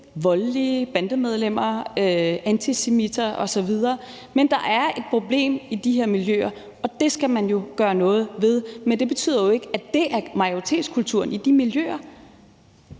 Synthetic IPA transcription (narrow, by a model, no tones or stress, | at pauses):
ʋɒ̽llib̥ænd̥əmeð̞ˠlem̰ɐøænt͡sʰisemid̥ɐʔɒ̽sɒ̽ʋið̞ˠɐː | mend̥ɑ̈ʔæɐe̝d̥̚pʰʁo̝ble̝̰ːmid̥iɦeɐ̰miljø̰ːɐ | ɒ̽d̥e̝sɡ̥æmænjo̝ɡ̥ɶːɐnɔ̽ːð̞̩ˠʋe̝ð̞ˠmend̥e̝b̥e̝t͡sʰy̰ð̰ˠɐjo̝e̝ɡ̥əæd̥e̝ʔæɐmɑ̈ɪoʁit͡sʰe̝̰ːd̥skʰult͡sʰuɐ̰nid̥imiljø̰ːɐ